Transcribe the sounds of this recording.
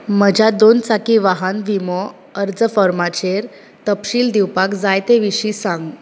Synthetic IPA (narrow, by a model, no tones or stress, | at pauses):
məd͡ʑʱad̪ont͡sakiʋaɦanʋimɔ | əɾd͡zəfɔɾmat͡ɕeɾ | t̪əpɕiːld̪iwpakd͡zajt̪eʋiɕisãŋɡ